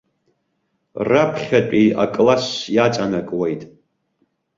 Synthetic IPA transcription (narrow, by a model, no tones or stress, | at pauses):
rapʰχʲat͡pʷʼia̰kʼlasjat͡sʼanakʼwejtʼ